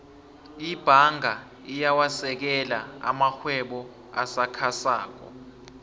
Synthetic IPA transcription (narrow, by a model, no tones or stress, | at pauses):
ib̥ʱaŋʱa | ijawasɛk̬ɛlaa̰maxwɛɓɔ | asakʰasa̰ːk̬ɔ̰